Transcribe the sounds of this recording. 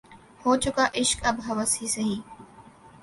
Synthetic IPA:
hoːt͡ʃʊkaːʔɪʃkɐbɦɐʋəsɦiːsɐɦiː

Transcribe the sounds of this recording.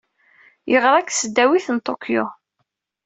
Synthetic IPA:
jəʁɾˤækːsəd̪ːæwiθənt̪ˤokjo̰

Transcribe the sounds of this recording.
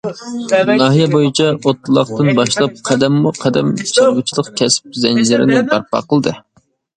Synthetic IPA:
nɑɦijɛbojit͡ʃʰɑot̪ːɨlˠɑqt̪ɨnbɑʃlˠɑp̚qʰɛd̪ɛmːuqʰɛd̪ɛmt͡ʃʰɑɾbut͡ʃʰilˠəqkʲʰɛsɪ̥p̚zɛnd͡ʒɪɾɪ̰nɪbɑɾpɑ̰qəlˠd̪ɨ

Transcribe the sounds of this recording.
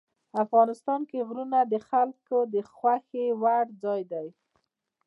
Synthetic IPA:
afɣɑnɪst̪ɑnkeɣɾunad̪əxalkod̪əxwaxewaɽd͡zɑjd̪aj

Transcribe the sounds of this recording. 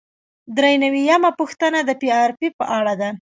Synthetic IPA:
d̪ɾejnawijamapuxt̪ənad̪əpiɑɾpipəʔaɽad̪a

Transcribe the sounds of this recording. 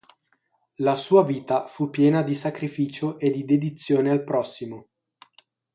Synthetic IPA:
lasuːaviːt̪afupːjɛːnad̪isakɾifiːt͡ʃoʔed̪id̪ed̪it̪sːjoːnealpɾɔsːimo

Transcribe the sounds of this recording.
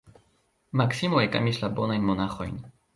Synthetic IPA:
maksimoeka̰mislabonajnmonaxo̰jn

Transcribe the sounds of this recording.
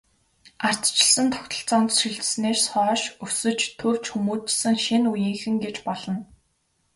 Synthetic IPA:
ar̥t͡st͡ɕɪ̆ɮsə̆nt̪ʰɔ̥kt̪ə̆ɬt͡sɔːnt̪ʃiɮt̪̆sneːrsɔːʃɵsɵ̆t͡ɕt̪ʰɵw̥t͡ɕxumuːt͡ɕɪ̆sɘ̆ŋʃinujĭːŋxɘ̆ŋɡet͡ɕpɔɮɞ̆n

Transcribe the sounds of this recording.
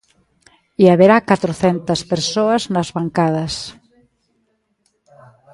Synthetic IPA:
iaβeɾakat̪ɾoθɛnt̪əspeɾsoaznɐzβaŋkað̞ɐs

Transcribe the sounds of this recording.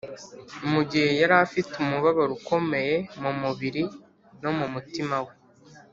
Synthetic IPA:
umuɟihe̞jaɾafitumuβaβaɾuko̞me̞je̞mumuβiɾi | no̞mumutimawe̞

